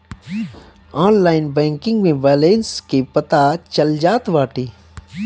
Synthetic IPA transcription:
aːnlaːɪnbɛ̃ːŋkɪ̃ŋɡmẽbɛːleːnskepɐt̪at͡ʃɐld͡ʒaːt̪ʋaːʈiː

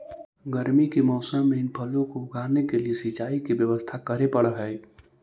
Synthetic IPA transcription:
ɡəɾmikimɔːsəmːẽɪnpʰɐlõkoʊɡʱaːnekeliesɪt͡ʃaːikibjəʋəst̪ʰakəɾepəɽəɦɛː

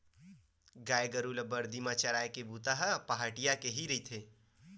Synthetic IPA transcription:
ɡaːjɡəɾulɐbɐɾd̪imat͡ʃɐɾaːekebuːt̪aɦəpaɦaːʈijakeɦiɾɐit̪ʰeː

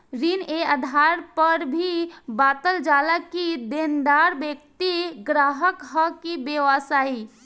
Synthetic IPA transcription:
ɾinead̪ʱaɾpəɾbʱibat̪əld͡ʒalakid̪end̪aɾbekt̪iɡɾaɦəkɦəkibeʋasai

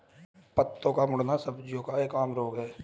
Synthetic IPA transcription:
pət̪ːõkamʊɽnasəbd͡ʒijõkaeːkaːmɾoːkɦɛː

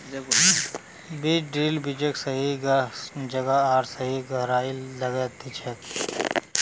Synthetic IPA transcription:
biːt͡ʃɖiːlbid͡ʒeksɐɦi | d͡ʒɐɡaaːɾsəɦiɡʱɐɦɾaːilɐɡɛt̪it͡ʃʰɛk̪

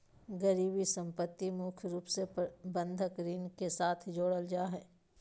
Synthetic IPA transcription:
ɡəɾiːbisə̃mpət̪ːimʊkʰɾuːpsebə̃nd̪ʱəkɾiːnkesaːt̪ʰd͡ʒoːɽəld͡ʒaːɦɛː

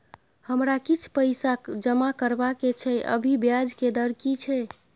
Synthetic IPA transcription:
həmɾakit͡ʃʰpəɪsakd͡ʒəmakəɾbaket͡ʃʰɛʔə̰bʱibjad͡ʒked̪əɾkit͡ʃʰɛ

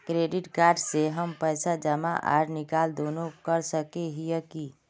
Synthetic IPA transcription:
kɾeɖiʈkaɾɖseɦəmpəjsad͡ʒəma̰ʔa̰ɾnikald̪onokəɾsəkeɦijəki

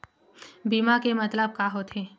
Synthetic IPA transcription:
biːmakemɐt̪ləb̚kaɦot̪ʰeː

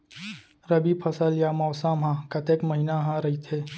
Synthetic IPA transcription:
ɾɐbipʰɐsəljaːmɔːsamɦãːkɐt̪eːkmɐɦinaɦãɾɐɦit̪ʰeː

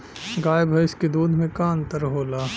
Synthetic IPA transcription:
ɡaːjbʱɐɪsked̪uːd̪ʱmẽkaːnt̪əɾɦoːlaː

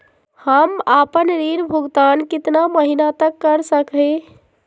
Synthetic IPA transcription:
həmapənɾiɾbʱuɡt̪ankit̪naməɦinat̪əkːəɾsəkɦẽ

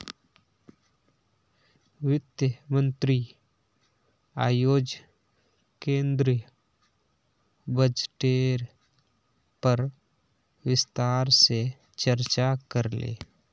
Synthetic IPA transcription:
wɪt̪jəmə̃nt̪ɾi | a̰ːjoːd͡ʒ | kẽːnd̪ɾ | bəd͡ʒʈeːɾ | pəɾ | wɪst̪aːɾse | t͡ʃəɾt͡ʃakəɾlḛː

